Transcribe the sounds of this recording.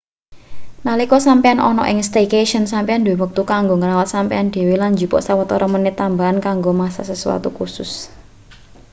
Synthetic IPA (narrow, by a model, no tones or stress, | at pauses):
nalikɔsampeanʔɔ̰nɔ̰ʔɪ̰ŋst̪ekeʃənsampeand̪ewwək̚t̪ukaŋɡoŋəɾawat̪̚sampeand̪̥e̤welanɲd͡ʒupɔ̰ʔsawət̪ɔɾʔamənɪt̪ːambaɦankaŋɡomasa̰səsuwa̰t̪ṵkusʊ̰s